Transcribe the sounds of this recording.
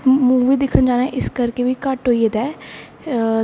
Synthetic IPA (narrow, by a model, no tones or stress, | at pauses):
muːʋiːd̪ɪkʰənd͡ʒaːnaʔɪskəɾkebiːkəʈɦoːied̪ɛː